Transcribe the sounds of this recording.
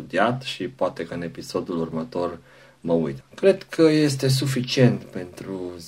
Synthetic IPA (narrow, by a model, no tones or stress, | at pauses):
ud̪iat̪ʃipoat̪e̞kəɨne̞piso̞d̪ulurmət̪o̞r | məujt̪əkɾe̞d̪kʰəje̞st̪e̞s̬ufit͡ʃie̞nt̪pe̞nt̪ɾuz